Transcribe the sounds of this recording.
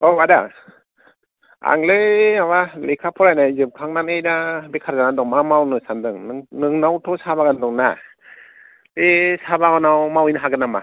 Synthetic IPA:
ɔwada | a̰ŋlɯawalekʰapʰɔɾajnajzɯp̚kʰaŋnanɯjnabekʰaɾzanandɔŋmamawnɯsandɯŋnɯŋnawtʰɔsabaɡandɔŋna̰ | esabaɡɯnawmawijnɯɦaɡɯnama̰

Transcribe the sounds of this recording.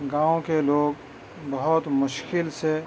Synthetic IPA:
ɡãːõkeloːɡ | bəɦʊt̪mʊʃkɪlse

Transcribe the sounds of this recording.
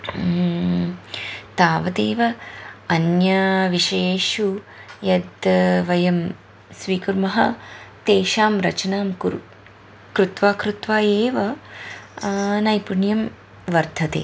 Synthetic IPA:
t̪aːʋɐt̪eːʋɐɐnjɐʋiʃɐjeːʃu | jɐd̪ʋɐjɐm | sʋiːkuɾmɐɦɐ̰t̪eːʃaːmɾɐt͡ʃɐnaːmkuɾ | kɾut̪ʋaːkɾut̪ʋaːeːʋɐ | nɐjpuɳjɐm | ʋɐɾd̪ʱɐt̪ḛː

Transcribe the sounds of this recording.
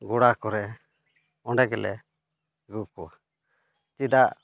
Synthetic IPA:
ɡuɽakɔɾɛ | ɔɖɛɡɛlɛ̰ | ɡukɔa | t͡ʃid̪aʔ

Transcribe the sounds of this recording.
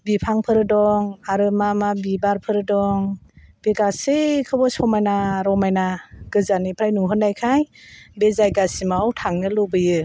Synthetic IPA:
bipʰaŋpʰɯɾɯdɔŋaɾɯmamabibaɾpʰɯɾɯdɔŋb̥eɡasekʰɯbɔsɔmajnaɾɔmajnaɡ̥ɯzanipʰɾajnuŋɦɯnːajkʰajbezajɡasimawtʰaŋnɯlobɯjɯ

